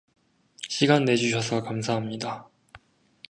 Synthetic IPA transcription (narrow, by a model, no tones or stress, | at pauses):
ɕʰiɡanːe̞d͡ʑuɕ̬ʰʌsʰʌkamsʰaɦamɲida